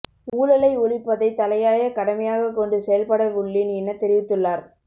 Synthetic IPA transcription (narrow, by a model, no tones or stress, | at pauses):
uːlɐlɐɪʊɻɪpːɐðɐɪt̪ɐlɐjaːjɐkɐɽɐmɐjaːɣɐkːɔɳɖɯsɛjɐlpɐɽɐʋʊɭːɪnɛnːɐt̪ɛɾɪʋɪt̪ːɯɭːaːɾ